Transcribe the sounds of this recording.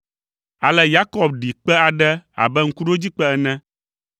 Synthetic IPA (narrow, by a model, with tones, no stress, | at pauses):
a˨lɛ˦ja˦kɔ˨b̚ɖi˨k͡pɛ˦a˨ɖɛ˦a̰˨bɛ˦ŋ̩˦ku˦ɖo˦d͡ʑi˦k͡pɛ˦ɛ˦nɛ̃˦